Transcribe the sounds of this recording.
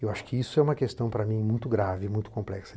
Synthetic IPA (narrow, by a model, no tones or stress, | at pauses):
ewaʃʊ̥kɪisʊɛũmɐkest̪ɐ̃w̃pɾɐmĩjmũj̃t̪ʊɡɾavɪmũj̃t̪ʊ̥kõmplɛksɐ